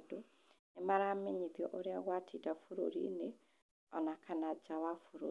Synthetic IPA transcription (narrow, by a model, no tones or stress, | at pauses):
do | nemaɾameɲiðjɔ̰ʔoɾeaɣwatʰiːdafuɾo̰ɾḭne | ɔnakanad͡ʒawafuɾo